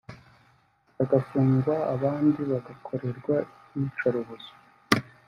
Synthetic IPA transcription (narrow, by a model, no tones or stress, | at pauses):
βaɡafuːŋɡwaːβaːndiβaɡakʰo̞ɾe̞ɾɡwa | it͡ʃaɾoβozo̥